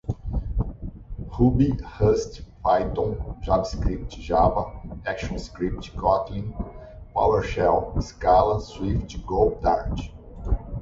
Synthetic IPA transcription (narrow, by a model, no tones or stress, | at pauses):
hubihəst̪fajt̪õʒavskɾip̚t͡ʃɪʒabɐɛkʃõskɾip̚t͡ʃkɔt̪lĩ | pa̰weɾʃɛwɪskalɐswift͡ʃɡob̚d̪aɾt͡ʃ